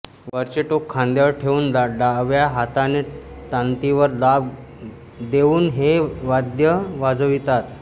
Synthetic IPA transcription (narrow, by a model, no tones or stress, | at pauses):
ʋəɾt͡ɕeʈokʰːãnd̪jəɭʈʰeuːnd̪ɖaʋjaɦat̪aneʈ̪ãnt̪iʋəɾlab | d̪euːnɦeʋad̪jəʋad͡zəʋit̪at̪